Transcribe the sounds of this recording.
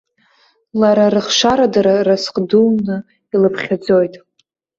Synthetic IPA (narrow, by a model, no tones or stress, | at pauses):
laɾaɾɨχʂaɾadaɾarasqʼdunɨ | ilɨpʰχʲad͡zo̞jtʼ